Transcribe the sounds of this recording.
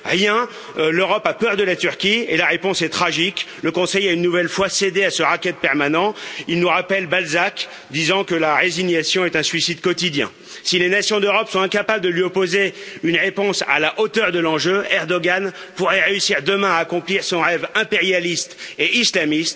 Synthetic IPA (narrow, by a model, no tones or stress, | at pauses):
ʁjɛ̃ | løʁɔpapœʁd̪əlat̪yʁkʲielaʁepɔ̃sɛt̪χaʒikləkɔ̃sɛjaynːuvɛlfwased̪easəʁakʲɛt̪̚pɛʁmanɑ̃ilnuʁapɛlbalzak | d̪izɑ̃kəlaʁeziɲjasjɔ̃ɛt̪ɛ̃sɥisid̪kɔt̪id̪jɛ̰̃ | silenasjɔ̃d̪øʁɔpsɔ̃ɛ̃kapabləd̪əlɥiɔpozeynʁepɔ̃sa̰laʔot̪œʁd̪əlɑ̃ʒøɛʁd̪ɔɡan | puʁɛʁeysiʁd̪əmɛ̃aːkɔ̃pliʁsɔ̃ʁɛvɛ̃peʁjalist̪eʔislamist̪